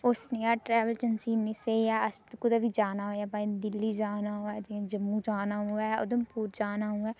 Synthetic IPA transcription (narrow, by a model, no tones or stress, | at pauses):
ʊsnejaːʈɾɛːʋəlt͡ʃənsiːnɪsejaːəsd̪kʊd̪aʋid͡ʒaːnaːɦoːaːbaːĩd̪ɪlːiːd͡ʒaːnaːɦoɛːd͡ʒẽd͡ʒəmːũːd͡ʒaːnaːɦoɛːʊ̰d̪əmpuːɾd͡ʒaːnaːɦuɛː